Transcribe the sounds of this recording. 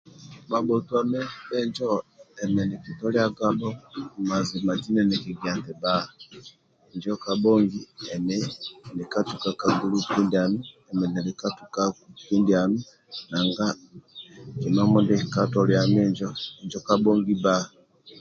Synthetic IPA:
ma˨bɔ˨tu˨a˨mɛ˦bɛ˦ɲd͡ʒɔ˦ɛ˨mɛ˨ni˨ki˨tɔ˦lja˦ɡa˦bɔ˦ma˨zi˨ma˨d͡ʒi˦nɛ˨nɛ˨ki˨ɡja˨ntɛ˨ba˦˨ | ɲd͡ʒɔ˦ka˨bɔ˦ŋɡi˦ɛ˨mɛ˦ni˨ka˦tu˨ka˨ka˨ɡu˦lu˦ki˦ndia˨mi˦ɛ˨mɛ˨nɛ˨li˨ka˦tu˨ka˦ki˦ndi˨a˨mi˦ | na˨ŋɡa˦ | ki˨ma˦mɔ˦ndi˦ka˦tɔ˨lja˨mɛ˦ɲd͡ʒɔ˦ɛ˨ɲd͡ʒɔ˦ka˦bɔ˦ŋɡi˦ba˦˨

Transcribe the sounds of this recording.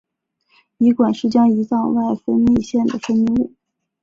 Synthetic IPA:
i˧˥kwa˨˩nʂɻ̩˥˩t͡ɕjɑ˥ŋi˧˥t͡sɑ˥˧ŋwa˥˩ɪfə˥nli˥˧ɕjɛ˥˩nd̪ə˩fə˥n˧˥u˥˩

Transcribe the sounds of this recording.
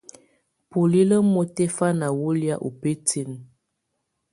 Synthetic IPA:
pu˨li˦lə˦mo˦tɛ˦fa˦na˨wo˦li˦a˦ʔu˨pe˦ti˦˨n

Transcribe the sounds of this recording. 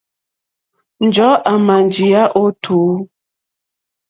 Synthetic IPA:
n̩˨d͡ʒɔ˨˦ʔa˨ma˨n˨d͡ʒi˨a˦ʔo˦tʰuː˨˦

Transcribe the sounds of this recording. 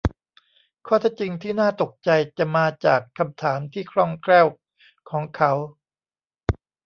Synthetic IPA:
kʰɔː˥˩t̪ʰɛ˦˥˩t͡ɕi˧ŋt̪ʰiː˥˩naː˥˩t̪o˨˩k̚t͡ɕa˧jt͡ɕa˨˩maː˧t͡ɕaː˨˩kʰːa˧mt̪ʰaː˩˦mt̪ʰiː˥˩kʰɾɔ˥˩ŋkɾɛː˥˩w | kʰɔː˩˦ŋkʰa˦˥w

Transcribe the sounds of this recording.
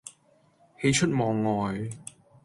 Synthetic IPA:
he˧jt͡ʃʰɵ˥t̚mɔː˨ŋːɔː˨j

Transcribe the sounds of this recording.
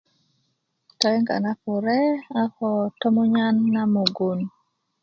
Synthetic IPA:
tɔ˦jɛ˦ŋɡa̰˨na˦pʊ˨ɾɛ˦a˦kɔ˨tɔ˦mo˦ɲa˦nːa˦mo˨ɡo˨n

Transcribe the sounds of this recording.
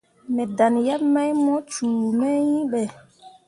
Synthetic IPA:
mɛ˨da˨nja˦pma˦jmɔ˦t͡ʃuː˨mɛ˦jĩ˦ɓɛ˨

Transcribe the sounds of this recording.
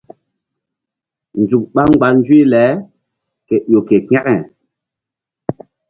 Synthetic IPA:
n˨d͡zu˨k̚ɓa˦ŋ˦ɡ͡ba˨˦n˦d͡ʒi˦lɛ˨˦ | ke˨ɗo˨ke˨kɛ˦kɛ˨

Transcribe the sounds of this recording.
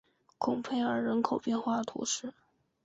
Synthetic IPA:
kʰʊ˨˩ŋpʰe˥˩ɪə˞˧˥ɻə˧˥nkʰo˨˩ʊpjɛ˥˧nxwa˥˩d̪ə˩t̪ʰṵ˧˥ʂɻ̩˥˩

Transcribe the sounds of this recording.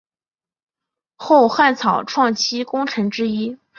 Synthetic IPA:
xo˥˧ʊxa˥˩nt͡sʰɑ˨˩ʊʈ͡ʂʰwɑ˥˩ŋt͡ɕʰi˥kʊ˥ŋʈ͡ʂʰɤ˧˥ŋʈ͡ʂɻ̩˥i˥

